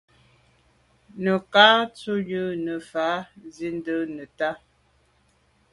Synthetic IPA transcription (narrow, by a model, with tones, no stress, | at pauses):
nə˨kaː˦t͡su˦jə˦nə˨fa˨˦zi˦n˦də˦nə˨ta˦